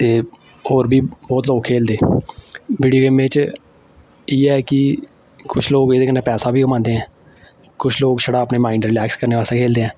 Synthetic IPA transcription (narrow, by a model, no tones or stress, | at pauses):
t̪eː | hoːɾbʱiːbɔːt̪loːkʰːeːld̪eː | biːɖioːɡeːmẽːt͡ʃ | iːɛːkɪ | kʊt͡ʃʰloːɡeːd̪eːkənẽːpɛːsaːbʱiːkəmãːnd̪eːɦɛ̃ː | kʊt͡ʃʰloːɡʃəɽaːəpneːmaːiːɳɖɾɪlɛːkskəɾneːʋaːseːkʰeːld̪eːɦɛ̃ː